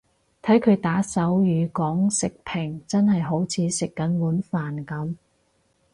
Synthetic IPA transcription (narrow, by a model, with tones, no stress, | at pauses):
t̪ʰɐ˨˥jkʰɵ˨˧ɥt̪aː˨˥sɐ˨˥wjyː˨˧kɔː˨˥ŋsɪ˨k̚pʰɪ˨˩ŋt͡sɐ˥nhɐ˨jɦo˨˥wt͡sʰiː˨˧sɪ˨kːɐ˨˥nwuː˨˥nfaː˨nkɐ˨˥m